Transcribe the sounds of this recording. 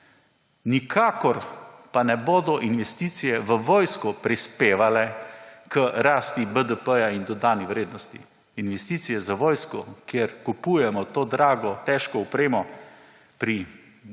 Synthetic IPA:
nikʰaːkɔɾpanɛboːd̪ɔʔinʋɛst̪it̪sijɛʋəʋoːjskɔpɾispeːʋalɛkəɾaːst̪ibəd̪əpəjaind̪ɔd̪aːniʋɾeːd̪nɔst̪ḭ | inʋɛst̪iːt̪sijɛzaʋoːjskɔ̰kjeɾkupujɛmɔt̪oːd̪ɾaːɡɔt̪ɛʃkɔɔpɾeːmɔ | pɾi

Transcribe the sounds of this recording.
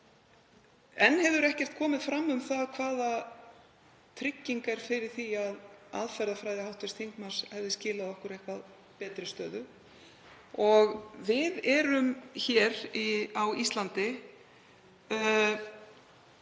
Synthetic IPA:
ɛnːhɛvðʏɾɛhcɛr̥t̪̚kʰɔːmɪðfɾamːʏmθaðkʰvaːða | t̪ʰɾɪcːiŋkaɾ̥fɪɾɪɾ̥θiaða̰ðfɛɾðafɾajðɪhawht̪vɪst̪ʰiŋkman̥shɛvðɪscɪːlaðɔhkʏɾejhkvað | pɛːt̪ɾɪst̪œːðʏ | ɔɣvɪðɛːɾʏmçɛɾiawist̪lant̪ɪ

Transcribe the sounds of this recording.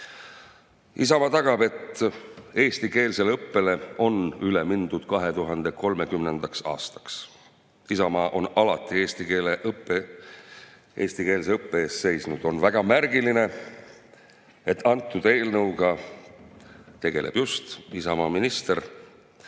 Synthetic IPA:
isɑmɑːt̪ɑɡ̥ɑbe̞t̪ː | e̞ːst̪ike̞ːlse̞lɤpːe̞le̞o̞nylemind̪̥ud̪̥kɑɦe̞t̪uɦɑnd̪̥e̞ko̞lme̞kymne̞nd̪̥ɑksɑ̰ːst̪ɑ̥ks | isɑmɑːʔo̞nɑlɑt̪ːˑie̞ːst̪ikeːlepːe | ʔe̞̰ːst̪ike̞ːls̬eɤpːeeːsse̞jsnud̪̥o̞nvæɡ̥ɑmærɡiline̞ | e̞t̪ːɑnt̪ˑːud̪̥e̞ːlnɤwɡ̥ɑ | t̪e̞ɡe̞̰lʔe̞̰b̥just̪isɑmɑːminist̪e̞r

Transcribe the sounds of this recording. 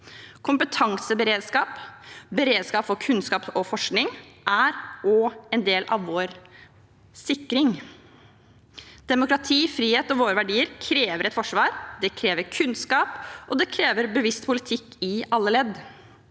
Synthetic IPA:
kʰʊmpət̪ʰɑŋsəbəɾeːd̪skɑːpbəɾeːd̪skɑːpfɔkʰʉnskɑːpɔfɔʂknɪŋʔæɾɔːɛnd̪eːlʔɑ̰ʋʋoːɾ | sɪkːɾɪŋ | d̪̥ɛmʊkɾɑt̪ʰiːfɾiːheːt̪ɔʋoːɾəʋæɖiːəɾkʰɾeːʋəɾɛt̪fɔʂʋɑːɾd̪ɛkʰɾeːʋəɾkʰʉnskɑːpʔɔd̪ɛkʰɾeːʋəɾbəʋɪst̪pʊlɪt̪ʰɪkːɪɑlːəlɛd̪

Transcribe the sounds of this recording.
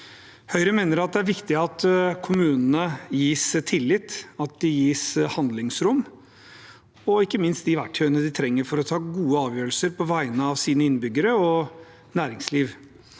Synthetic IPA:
hœʏɾəmeːnəɾɑt̪̚d̪ɛæɾʋɪkt̪ɪɑt̪kʰʊmʉːnn̩əjiːst̪ʰɪlːɪt̪ɑt̪̚d̪ɪjiːshɑnd̪lɪŋsɾʊm | ɔɪkːəmɪnst̪̚d̪ɪʋæʈːʰœʏənəd̪ɪt̪ʰɾɛŋːəɾfɔɾɔt̪ʰɑːɡuːəɑːʋjøːɾlsəɾpʰɔʋæɪnəɑʋsiːnəɪnbʏɡəɾəɔ | næːɾɪŋsliːʋ

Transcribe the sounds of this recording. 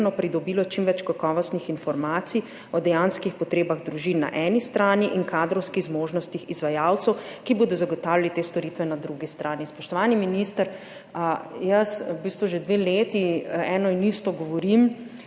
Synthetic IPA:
nɔpɾid̪ɔbiːlɔt͡ʃimʋɛt͡ʃkakɔːʋɔst̪nixinfɔɾmaːt̪si | ɔd̪ɛjanskixpɔt̪ɾeːbaɣd̪ɾuʒinːa̰ʔɛːnist̪ɾaːniʔinkaːd̪ɾɔwskiɣzmoːʒnɔst̪ixizʋajaːwt̪sɛwkiboːd̪ɔzaɡɔt̪aːwlʲjalit̪eːst̪ɔɾit̪ʋɛnad̪ɾuɡist̪ɾʔaːnispɔʃt̪ɔʋaːniminist̪əɾ | jɐsbist̪ʋuʒed̪ʋeːleːt̪iɛnɔinist̪ɔɡɔʋɔɾim

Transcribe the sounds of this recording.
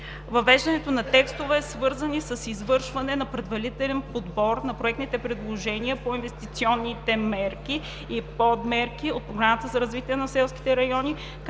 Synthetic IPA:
vɐvɛʒd̪ɐnɛt̪onɐt̪ɛkst̪ovɛːsvɤɾzɐnisɐsizvɤɾʃvɐnɛnɐpɾɛd̪vɐlit̪ɛlɛnpod̪bɔɾnɐpɾoɛk̚t̪nit̪ɛpɾɛd̪lˠoʒɛniəpoinvɛst̪it̪siɔnːit̪ɛmɛɾkiː | pɔd̪mɛɾkiot̪̚pɾoɡɾamət̪əzɐɾɐzvit̪iənɐsɛlˠskʲi̥t̪ɛɾɐjɔni | k

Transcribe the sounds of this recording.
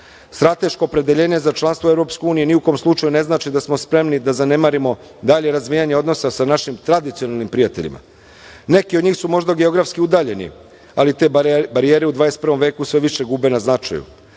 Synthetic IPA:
st̪ɾat̪e̞ʃko̞ːpɾed̪e̞ʎe̞ːɲe̞zat͡ʃlˠanst̪ʋoevɾo̞pskeuːnijeniuko̞ːmslˠut͡ʃajune̞znaːt͡ʃid̪asmospɾe̞mnid̪azane̞maɾimo̞ | d̪aʎe̞ɾazʋijaɲeo̞d̪no̞sasanaʃimt̪ɾad̪it̪sio̞nalnimpɾijat̪e̞̰ʎḭma̰ | ne̞kiod̪ɲiːxsumo̞ʒd̪aɡeo̞ɡɾafskiud̪aːʎe̞nḭ | alit̪e̞ːbaɾijeːɾeud̪ʋaːjest̪pɾrʋo̞mʋe̞ːkusʋe̞ʋiʃe̞ɡubenaznat͡ʃa̰jṵ

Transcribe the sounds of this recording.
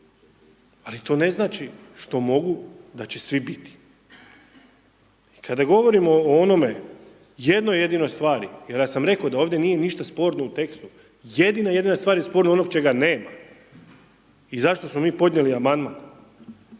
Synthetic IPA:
alit̪o̞ːne̞znaːt͡ʃi | ʃt̪o̞mo̞ɡud̪at͡ɕe̞sʋibit̪i̥ | ikʰad̪aɡo̞ʋo̞ɾimoono̞me̞ | jed̪noje̞d̪ino̞jst̪ʋaːɾijeɾjaːsamɾe̞kod̪ao̞ːʋd̪je̞niːje̞niʃt̪aspo̞ːɾnout̪e̞kst̪u | je̞d̪inaje̞d̪inast̪ʋaːɾjespo̞ːɾnoonoɡt͡ʃe̞ɡane̞ːma | izaʃt̪o̞smo̞miːpo̞d̪nɲjeliamand̪maːn

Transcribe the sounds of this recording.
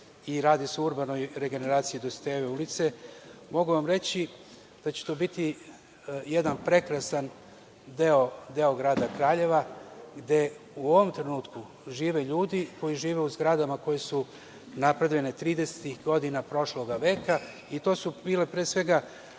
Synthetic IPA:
iɾaːd̪iseuɾbano̞jɾe̞ɡe̞ne̞ɾaːt̪sijid̪ost̪eːʋeulit̪se̞mo̞ɡuʋamɾe̞t͡ɕi | d̪̥at͡ɕe̥t̪o̞ːbit̪i | jed̪anpɾe̞kɾasan | d̪eo̞d̪e̞oɡɾaːd̪akɾaːʎe̞ʋaɡd̪e̞ | uo̞ʋo̞mt̪ɾe̞nuːt̪ku | ʒiːʋeʎuːd̪iko̞jiʒiːʋe̞uzɡɾad̪amako̞je̞su | napɾed̪oenet̪ɾiːd̪ese̥t̪ixɡo̞d̪inapɾo̞ʃlo̞ɡaʋe̞ːka | it̪o̞ːsubiːle̞pɾeːsʋe̞ɡa

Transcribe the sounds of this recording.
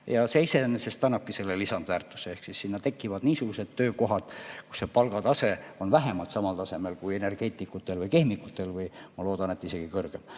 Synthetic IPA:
jɑse̞isenːesest̪ɑnːɑp̚kːise̞lːelisɑnd̪væːrt̪ːˑu̥seehksisːinːɑt̪e̞kːˑivɑd̪̥niːsuɡ̥use̞d̪̥t̪ø̞ːko̞ɦɑd̪̥ku̥sːe̞pɑlɡ̥ɑt̪ɑse̞o̞nvæɦemɑlt̪sɑmɑlt̪ɑse̞me̞lkuje̞ne̞rɡ̥e̞ːt̪ːˑikːut̪ːˑe̞lvɯjke̞hmikːˑut̪ːˑe̞lvɯjmɑlo̞ːd̪̥ɑne̞t̪ːise̞ɡ̥ikɤrɡ̥em

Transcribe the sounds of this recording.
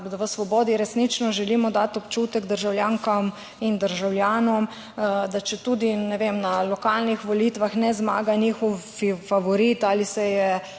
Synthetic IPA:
ʋəsʋɔbɔːd̪iɾɛsnit͡ʃnɔʒɛlimɔd̪at̪ɔpt͡ʃuːt̪ɛɡd̪əɾʒawljaːŋkam | ind̪əɾʒawljaːnɔm | d̪at͡ʃɛt̪ud̪inɛʋemnalɔkaːlnixʋɔlit̪ʋaxnɛzma̰ːɡanixɔ | ifaʋɔɾit̪aːlisɛjɛ

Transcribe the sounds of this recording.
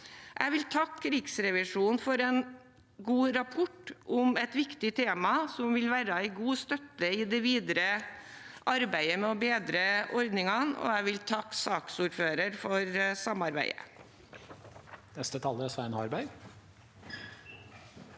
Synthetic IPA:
ʔæ̰ɪʋɪlt̪ʰɑkʰːɾɪksɾɛʋɪʂuːnfɔɾɛn | ɡuːɾɑpʰɔʈːʔʊmɛt̪ʋɪkt̪ɪt̪ʰeːmɑsɔmʋɪlʋæːɾɑɪɡuːst̪œt̪ːəɪd̪ɛʋiːd̪ɾə | ʔɑɾbæɪəmɛɔbeːd̪ɾəʔɔɾd̪nɪŋɑnɔ̰æɪʋɪlt̪ʰɑkːsɑːksuːɾføːɾəɾfɔɾsɑmɑɾbæɪə̰ | nɛst̪ət̪ʰɑləsæɪnɑɾbæɪ

